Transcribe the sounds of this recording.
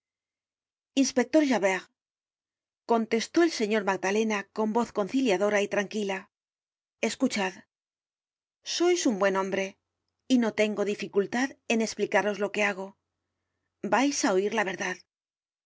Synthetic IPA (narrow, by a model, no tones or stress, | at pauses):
inspe̞k̚t̪o̞ɾʒaβeʁ | ko̞nt̪e̞st̪o̞e̞lse̞ɲo̞ɾmaɣ̚dale̞nako̞mbo̞θko̞nθiljaðo̞ɾait̪ɾaŋkila | e̞skut͡ʃað | so̞jsumbwe̞nõ̞mbɾe̞ | ino̞t̪e̞ŋɡo̞ðifikult̪aðe̞ne̞splikaɾo̞zlo̞ke̞aɣ̞o̞ | bajsao̞iɾlaβ̞e̞ɾðað